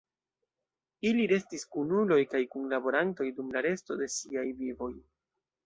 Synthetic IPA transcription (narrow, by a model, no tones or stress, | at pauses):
iliɾe̞stiskunulo̞jkajkunlabo̞ɾanto̞jdumlaɾe̞sto̞de̞siajvivo̞j